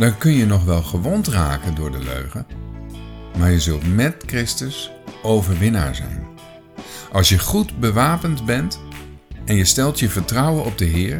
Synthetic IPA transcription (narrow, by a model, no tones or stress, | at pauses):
d̥ɑnkɵnjənɔχʋɛlˠχəʋɔntra̰ːkəndʊːɹdəlø̰ɥχə | maːɹjəzɵlˠtmɛtkrɪstəs | owvəɹʋɪna̰ːɹzɛ̰jn | ʔɑlˠsjəχudbəʋaːpəntbɛnt | ʔɛnjəstɛlˠtjəvəɹtrʌwənɔb̚dəɦɪːɹ